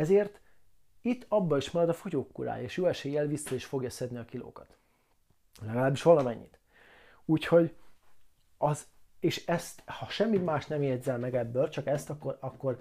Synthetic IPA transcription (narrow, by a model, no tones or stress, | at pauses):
ɛzeːrt̪ | it̪ːɒbːɒiʃmɛɾɛd̪ɒfo̞ɟoːkːuɾa̰ːjeːʃjoːɛʃeːjːɛlvisːɒiʃfo̞ɡjɒsɛd̪niɒkilo̰ːkɒt̪ | lɛɡɒlaːbiʃʋɒlɒmɛɲːḭt̪ | uːcho̞ɟ | ɒzeːʃɛst̪hɒʃɛmːimaːʃt̪nɛmjɛd̪zɛlmɛɡɛbːølt͡ʃɒkɛst̪ɒkːoɒkːo̞r